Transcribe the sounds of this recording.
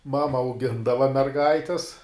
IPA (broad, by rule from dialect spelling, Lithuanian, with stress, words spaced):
ˈmɑːmɐ ɐʊˈɡʲɪndɐʋɐ mʲɛrˈɡɐɪtʲɪs